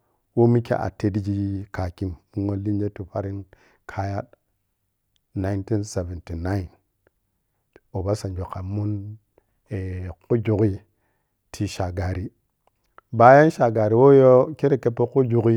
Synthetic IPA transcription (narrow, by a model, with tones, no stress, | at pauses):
wo˦mi˦kḛ˦ʔa̰˨te˨di˦d͡ʒi˦ka˨ki˦mmu˦ŋo˦li˦n˦d͡ʒe˦tu˨fa˦ɾi˦n | kʰa˦ja˦t | na˨i˨˦nti˦nse˨ve˨nti˨na˦i˨n | o˨ba˦sa˨nd͡ʒo˨ka˨mu˦n | e˨ku˦d͡ʒu˨ɡi˦ | tʰi˨ʃa˨ɡa˨ɾi˨ | ba˨ja˦n˦ʃa˨ɡa˨ɾi˨wo˦jo˦ke˦ɾe˨ke˦po˦ku˦d͡ʒu˨ɡi˦